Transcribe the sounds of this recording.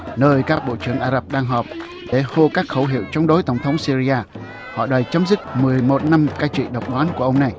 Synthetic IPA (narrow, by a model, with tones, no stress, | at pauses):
nəː˧jkaː˦˥k̚ɓo̰˧˨t͡ɕɨ˧˩əŋʔaː˧zə˦˥˩p̚ɗaː˧ŋɦɔː˨˩p̚ | ɗe˧˩ho˧kaː˦˥k̚xə˧˩wɦḭ˧˨wt͡ɕɔ˧wŋ͡mɗo˨˦jt̪ə˧˩wŋ͡mt̪ʰə˨˦wŋ͡msi˧ɾi˧ʔaː˧ | hɔ̰˧˨ɗɔː˨˩jt͡ɕə˨˦mzɨ˦˥k̚mɨ˨˩əjmo˨˩t̚na˧mkaː˧jt͡ɕḭ˧˨ɗə˨˩wk͡p̚ɗwaː˨˦nku˧˩əʔə˧wŋ͡mna˨˩j